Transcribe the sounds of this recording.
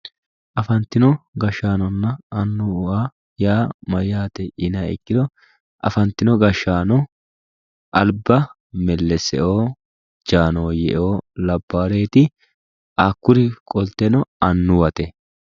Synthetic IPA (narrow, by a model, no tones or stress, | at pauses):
ʔɐfɐnt̪ːɪnɔɡɐʃːaːnɔnːɐɐnːʊaː | jaːmɐjːaːt̪ɛʔɪnɐɪ̰kːɪd̪ɔ | ʔɐ̰fɐnt̪ːɪnɔɡɐʃːaːnɔ | ʔɐlbɐ | mɛlːɛsɛ̰ʔo̞ː | d͡ʒaːno̞ːjɛʔoːlɐbːaːɾe̞ːt̪ɪ | ʔaːkːʊɾɪkʼɔlt̪ːɛnɔɐnːʊwɐt̪ɛ